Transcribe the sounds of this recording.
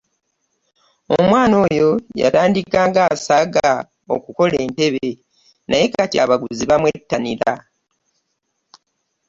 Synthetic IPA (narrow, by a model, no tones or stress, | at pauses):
omwaːno̞ːjo̞ja̰taːndikaːŋɡasaːɡa | o̰kuko̞le̞ːnte̞βe | nʔaje̞katja̰βaɡuziβamwetːaniɾa